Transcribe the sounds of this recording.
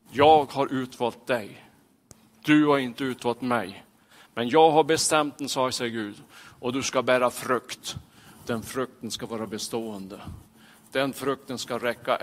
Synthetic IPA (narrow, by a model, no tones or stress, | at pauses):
jɑːɡhaɾʔʉ̟ːt̪vɑːlt̪̚d̪ɛj | d̪̥ɵhaɾɪnt̪əʉ̟ːt̪vɑːlt̪mɛj | mɛnjɑːɡɦaɾbɛst̪ɛmt̪̚d̪ɛnsɑːsɛɡʉ̟ːd̪ʔɔd̪ɵskabæːɾafɾɵkt̪d̪̥ɛnfɾɵk̚t̪ənskavɑːɾabɛst̪oːənd̪ə | d̪̥ɛnfɾɵk̚t̪ənskaɾɛkːa̰